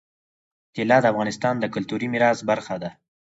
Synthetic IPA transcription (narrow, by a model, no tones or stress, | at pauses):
t̪ɪlɑd̪əafɣɑnɪst̪ɑnd̪əkʊlt̪uɾimɪɾɑsbaɾxad̪a